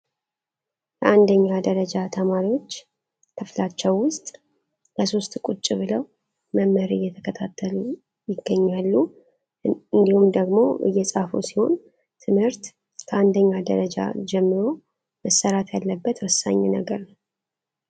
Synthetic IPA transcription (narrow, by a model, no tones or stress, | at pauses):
jəʔand̪əɲːad̪əɾəd͡ʒat̪ʰəmaɾiwo̞t͡ʃː | kʰɨflat͡ʃːɛwːʊst̪ʼ | ləso̞st̪kʼut͡ʃʼːɪβɨləw | məmːəɾɨ̰jːɛt̪ʰəkʰət̪ʰat̪ʰːəlu | jɪɡːəɲːalːu | ɨnd̪ihumd̪əɡmo̞̰ʔɨ̰jːɛsʼafo̰siho̞̰n | t̪ʰɨmhɨɾt̪ | kʰəand̪əɲːad̪ə̰ɾəd͡ʒa̰d͡ʒɛmːɨɾo̞ | məsːəɾat̪jalːəbːət̪wɔsːa̰ɲːɛnəɡəɾnəw